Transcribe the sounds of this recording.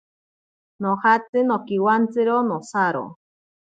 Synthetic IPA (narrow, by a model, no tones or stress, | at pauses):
nohat͡sɨnokiwant͡sɨɾonosaɾo̰